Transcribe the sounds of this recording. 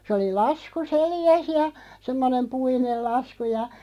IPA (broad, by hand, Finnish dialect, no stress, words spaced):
sĕ oli lɑsku seljæs jɑ semːonem puinel lɑsku jɑ